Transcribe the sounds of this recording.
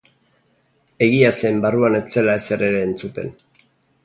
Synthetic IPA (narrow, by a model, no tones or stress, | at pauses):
e̞ɣiasembaruane̞t͡se̞lae̞se̞ɾe̞ɾe̞ːnt͡sut̪e̞̰n